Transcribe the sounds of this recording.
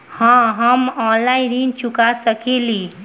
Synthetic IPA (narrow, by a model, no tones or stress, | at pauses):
hə̃ɦəmɔ̃nlaɪ̃nɾint͡ʃukasəkeli